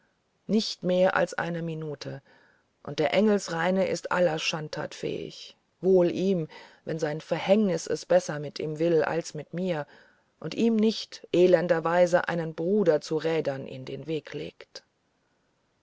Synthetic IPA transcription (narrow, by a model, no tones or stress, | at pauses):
nɪçtmeːɐʔa̰lsʔa̰ɪnəminuːtʰə | ʔʊnt̚d̥eːɐʔɛŋl̩sʁaɪnəʔɪ̰stʔa̰lɐʃantʰa̰ːtfɛ̰ːɪ̰ç | voːlʔiːmvɛnzaɪnfɛɐhɛŋnɪsɛ̰sb̥ɛsɐmɪtiːmvɪla̰lsmɪtmiːɐ | ʔʊntʔiːmnɪçtʔeːlɛndɐvaɪzəʔa̰ɪnənbʁuːdɐt͡suʁɛːdɐnʔɪ̰ndeːnveːkʰlḛːkt